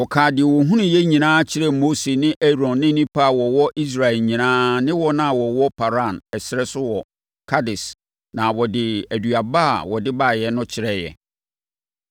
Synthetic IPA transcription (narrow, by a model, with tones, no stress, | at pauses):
wɔ˨kʰaː˨dɪ˨wɔ˨ɦũ˦nʊ̃˨jɛ˦ɲĩ˨nãː˦t͡ɕʰɪ˦ɾɛ˦moː˦se˨nɪ̃˦ʔɛ˦ɾɔ̃˨nːɪ̃˦nĩ˦pʰa˦˨wɔ˨wɔ˦ʔi˦s̬ɾa˨ɛ˨lɲĩ˨nãː˦nɪ̃˦wɔ˦nã˦˨wɔ˨wɔ˦pʰa˨ɾa˦˨nɛ˨sɪ˨ɾɛ˦sʊ˦wɔ˨ | kʰa˦dɪ˨s | nã˨wɔ˨dɪ˨æ˨du˨a˨ba˦a˨wɔ˨dɪ˦ba˦˨jɛ˨nʊ̃˦t͡ɕʰɪ˨ɾɛ˦jɛ̰˨